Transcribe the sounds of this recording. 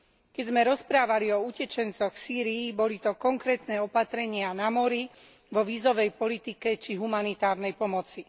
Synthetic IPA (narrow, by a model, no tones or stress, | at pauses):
kɛzmɛɾɔspɾaːʋaliɔucɛt͡ʃɛnt͡sɔɣfsiːɾiːbɔlit̪ɔkɔŋkɾɛːt̪nɛːɔpat̪ɾɛɲɪanamɔɾi | ʋɔʋiːzɔʋɛjpɔlit̪ikɛt͡ʃiɦumanit̪aːɾnɛjpɔmɔt͡si